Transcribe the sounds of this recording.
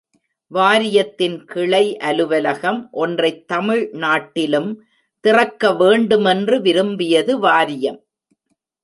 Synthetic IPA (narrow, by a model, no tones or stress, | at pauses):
ʋaːɾɪjɐt̪ːɪnkɪɭɐɪʔɐlɯʋɐlɐɣɐmʔɔndrɐɪt̪ːɐmɪɻnaːʈːɪlɯm | t̪ɪrɐkːɐʋeːɳɖɯmɛndrɯʋɪɾɯmbɪjɐðɯʋaːɾɪjɐm